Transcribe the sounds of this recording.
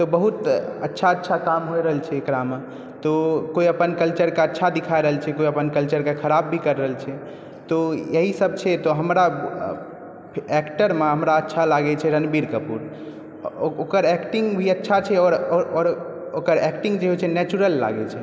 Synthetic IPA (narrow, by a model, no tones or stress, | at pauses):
t̪ɔbəɦut̪ə̰tːʃʰaətːʃʰakamɦojɾəɦəlt͡ʃʰɛːkɾame | t̪ɔkoiəpənkəlt͡ʃəɾkeətːʃʰad̪ikʰaeɾəɦəlt͡ʃʰɛkoiəpənkəlt͡ʃəɾkekʰəɾabːʱikəɾːəɦəlt͡ʃʰɛ | t̪ɔjəɦisəb̚ʱt͡ʃʰɛt̪ɔɦəmɾa | ɛkʈəɾmeɦəmɾaətːʃʰalaɡɛt͡ʃʰɛɾənbiɾkəpṵɾ | okəɾɛkʈĩŋɡbʱiətːʃʰat͡ʃʰɛɔːɾɔɔɾ | okəɾɛkʈĩŋɡd͡ʒeɦot͡ʃʰɛnɛt͡ʃuɾəlːa̰ɡɛt͡ʃʰɛ